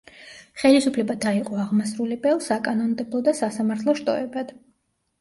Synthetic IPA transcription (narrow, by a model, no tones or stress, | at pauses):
χɛlisupʰlɛbad̪aiqʼɔaʁmasɾulibɛlˠsakʼanɔnd̪ɛblˠɔd̪asasamaɾt̪ʰlˠɔʃt̪ʼɔ̰ɛbad̪̥